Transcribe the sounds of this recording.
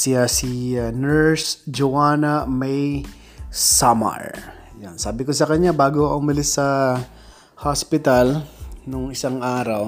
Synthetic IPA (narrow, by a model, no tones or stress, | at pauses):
sɪasinɛɹsd͡ʒowaːnɐmɛj | samɐ̰ɹ | jansaːbɪkosɐkɐɲabaːɡoʔʊmɪlɪsɐ | haspɪt̪ɐlnʊŋɪsaŋʔaːɾɐw